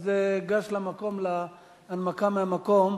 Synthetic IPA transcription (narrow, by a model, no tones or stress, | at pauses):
zeɡaʃlamako̞mlaː | nmakameamako̞m